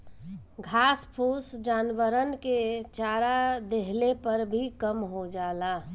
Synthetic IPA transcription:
ɡʱaːspʰuːsd͡ʒaːnʋəɾənket͡ʃaːɾad̪eɦlepəɾbʱikəmɦod͡ʒaːlaː

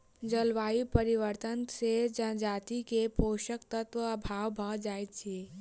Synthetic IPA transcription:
d͡ʒəlʋaːipəɾiʋəɾt̪ənsed͡ʒəd͡ʒaːt̪ikepoːʃəkt̪ət̪ʋəɐbʱaːʋbʱəd͡ʒaːet̪t͡ʃʰeː

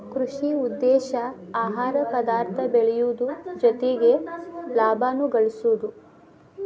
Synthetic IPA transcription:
kɾuʂiud̪ːɛːʃɐ | aːɦaːɾɐpɐd̪aːɾt̪ʰɐbeɭɛjud̪ud͡ʒɔt̪eɡe̞laːbʱaːnuɡɐɭisud̪u

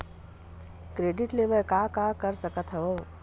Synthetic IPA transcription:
kɾeːɖɪʈleːʋəɾkaːkakəɾsəkət̪ʰɦɐʋoː

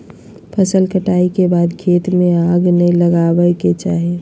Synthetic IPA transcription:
pʰəsəlkəʈaikebaːd̪kʰeːt̪mẽaːɡnəĩləɡabəket͡ʃaːɦie

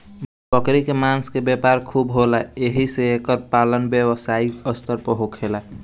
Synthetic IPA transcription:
pəkɾikemanskebjepaɾkʰubɦolaeɦiseekəɾpalənbjewsaiəst̪əɾpəɦokʰela

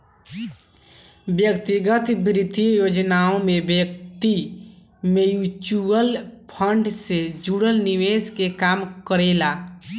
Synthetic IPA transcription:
bjəkt̪iɡət̪bɾɪt̪ijoːd͡ʒnaːõmebjək̚t̪i | mejut͡ʃuəlpʰəɳɖsed͡ʒuɽəlniʋeːskekaːmkəɾeːlaː

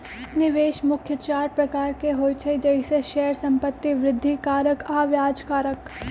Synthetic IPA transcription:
nɪʋeːʃmʊkʰjət͡ʃaːɾpɾɐkaːɾkeɦoːt͡ʃʰed͡ʒɛɪseʃɛːəɾsɐ̃mpət̪ːiʋɾɪd̪ʱːikaːɾəkaːʋjaːd͡ʒkaːɾək

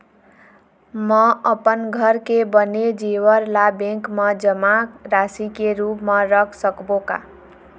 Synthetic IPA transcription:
mʌʌpʌnɡʱʌɾkebʌned͡ʒiwʌɾlabeŋkmad͡zʌmakɾasikeɾupmaɾʌkʰsʌkboka̰

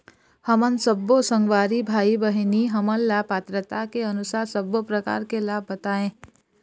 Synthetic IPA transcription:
həmənsəbosə̃ŋɡwaːɾibʱaːibəɦniɦəmənlapaːt̪ɾət̪akeɐnʊsaːɾsəbːopɾəka̰ːɾkelaːbːɐt̪aːẽː

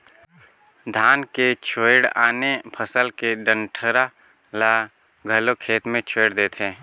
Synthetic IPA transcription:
d̪ʱaːnket͡ʃʰoɪɽaːnepʰəsəlkeɖə̃ɳʈʰəɾa | la | ɡʱəlokʰeːt̪mẽt͡ʃʰoːɽd̪eːt̪ʰẽː

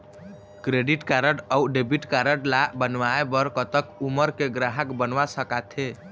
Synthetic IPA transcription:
kɾeɖiʈkaɾəʈəuɖebiʈkaɾəʈlabənʋaebəɾkət̪əkuməɾkeɡɾaɦəkbənʋasəkat̪ʰe

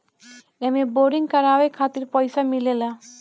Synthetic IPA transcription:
ɛmeboɾiŋkaɾawekʰat̪iɾpɔjsamilela

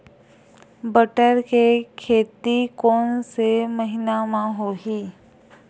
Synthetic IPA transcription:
bəʈəɾkekʰeːt̪ikɔːnseməɦɪnamãɦoːɦiː

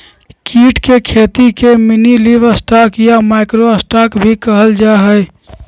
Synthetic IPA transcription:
kiːʈkekʰeːt̪ikeminiliʋəsʈakjamaɪkɾoəsʈaːkbʱikəɦəld͡ʒaɦɛj

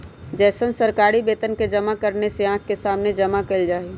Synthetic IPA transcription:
d͡ʒɛːsənsəɾkaːɾibeːt̪ənked͡ʒəmakəɾneseãːkʰkesaːmned͡ʒəmakeld͡ʒaːi

